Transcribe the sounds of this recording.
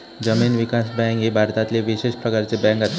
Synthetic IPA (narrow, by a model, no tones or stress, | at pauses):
d͡ʑəmiːnʋikasbɛ̃ŋkɦibʱaɾt̪at̪leʋiɕeʃpɾəkaɾt͡sebɛ̃ŋkat̪